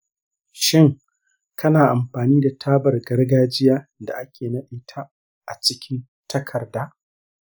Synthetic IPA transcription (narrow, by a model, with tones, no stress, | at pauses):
ʃɪ˦ŋ | kʰɐ˦naː˨ʔa˨mɸaː˨niː˦da˨tʰaː˦bɐ˨rɡɐ˦rɡaː˦d͡ʒɪ˦jaː˦da̰˨ʔa˦kʲʰeː˨nɐ˦ɓɪ˦tʰa˦ | ʔa̰˨t͡ʃɪ˦kʲʰɪ˦n | tʰɐ˦kʰɐ˨rdaː˦